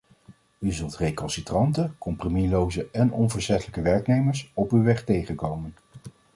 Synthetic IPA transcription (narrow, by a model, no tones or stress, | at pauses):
yzɵlˠtrejkɔnsitrɑntəkɔmpromilowzəʔɛnɔnvəɹsɛtələkəʋɛɹknejməɹsɔpywʋɛχtejχənkowmən